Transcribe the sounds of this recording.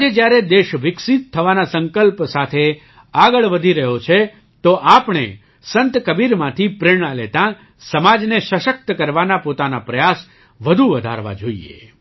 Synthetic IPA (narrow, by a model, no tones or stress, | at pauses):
ad͡ʒed͡ʒjaɾed̪eʃʋɪksit̪ʰːəʋanasəŋkəlpsat̪ʰe | aɡəɭʋəd̪ʱiɾəɦjot͡ʃʰe | t̪oʔapɳ̃ḛ | sənt̪kəbiɾmãt̪ʰipɾɪɾɳəlet̪ã | səmad͡ʒneʃəʃək̚t̪kəɾʋanapot̪anapɾəjas | ʋəd̪ʱuʋəd̪ʱa̰ɾʋa̰d͡ʒoḭḛ